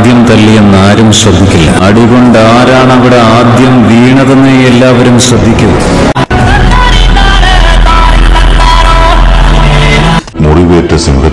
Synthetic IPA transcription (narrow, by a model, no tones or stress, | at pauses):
d̪jɐmt̪ɐlːijenːaːɾumɕrɐd̪ʱːikʲːilːɐɐɽiɣoɳɖaːɾaːɳɐʋiɽe̞aːd̪jɐmʋiːɳɐðɐnːeelːaːʋɐɾumɕrɐd̪ʱːikʲːuðɐ | muriʋeːtːɐsɐŋɡɐ